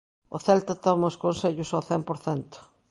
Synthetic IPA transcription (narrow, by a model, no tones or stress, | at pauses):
ʊ̰θɛlt̪ɐt̪ɔmɐoskonseʎʊsowθɛmpoɾθɛnt̪ʊ̥